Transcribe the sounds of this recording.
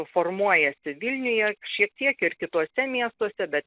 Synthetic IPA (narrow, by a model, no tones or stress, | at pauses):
formuɔjɛsʲɪʋʲɪlʲnʲʊjɛʃʲiɛk̚t̪ʲiɛkɪrkʲɪt̪uɔsʲɛmʲiɛst̪uɔsʲɛbʲɛt̪